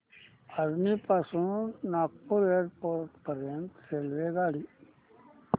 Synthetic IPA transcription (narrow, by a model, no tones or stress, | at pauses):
əɾnipasũnaːk̚puɾeːɾpoːɾʈpəɾjənt̪seːlʋeɡaːɽi